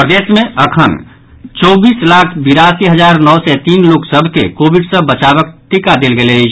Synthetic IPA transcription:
pɾəd̪eːsmẽəkʰən | t͡ʃɔːbiːslaːkʰbiɾasiɦəd͡ʒaːɾnɔsɛt̪iːnloːksəbʱkḛkoːbɪɖsəbət͡ʃaːβək̚t̪ɪkad̪elɡele

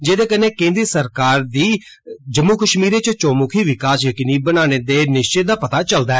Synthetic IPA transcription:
d͡ʒeːd̪eːkəneːkẽːnd̪ɾisəɾkaːɾd̪iː | d͡ʒəmːuːkəʃmiːɾeːt͡ʃət͡ʃoːmukʰiːʋɪkaːsjəkɪniːbənaːñeːd̪eːnɪʃt͡ʃɪt̪̚d̪aːpət̪aːt͡ʃəld̪aːɛː

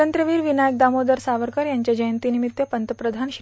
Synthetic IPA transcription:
ənt̪ɾəʋiːɾʋinajək̚d̪amod̪əɾsaʋəɾkəɾjaɲt͡ɕjad͡ʑəjənt̪inimit̪jəpənt̪əpɾəd̪ʱanɕ

